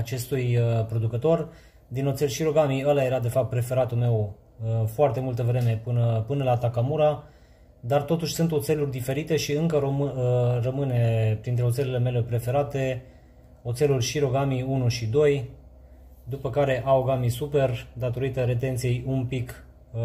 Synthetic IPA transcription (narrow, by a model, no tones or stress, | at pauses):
at͡ʃe̞st̪ujpɾo̞d̪ukət̪o̞r | d̪inot̪se̞lʃiɾo̞ɡamiəlaje̞ɾad̪e̞fap̚t̪̚pɾe̞fe̞ɾat̪ulme̞w | foart̪e̞mult̪əvɾe̞me̞pɨnəpɨnəlat̪akamuɾa | d̪art̪o̞t̪uʃʲsunt̪o̞t̪se̞lurʲd̪ife̞ɾit̪e̞ʃiɨŋkə | rəmɨne̞pɾint̪ɾe̞ot̪se̞lele̞me̞le̞pɾe̞fe̞ɾat̪e̞ | o̞t̪se̞lurʲʃiɾo̞ɡamiunuʃid̪o̞j | d̪upəkaɾe̞ʔaoɡamisupe̞rd̪at̪o̞ɾit̪əɾe̞t̪e̞nt̪sije̞jumpik